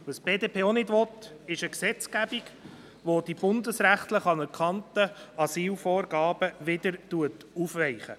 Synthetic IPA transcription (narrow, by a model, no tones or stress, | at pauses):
ʋusb̥eːdeːpʰeːonɪdvɔtɪʃəksɛt͡skæbiɡ | ʋod̥ib̥ʊndəsɾæχt̪ləχɑnəɾkχɑntəɑsiːlfɔːɾɡɑːb̥əʋɪd̪əɾtuət | ufʋɛɪχə̰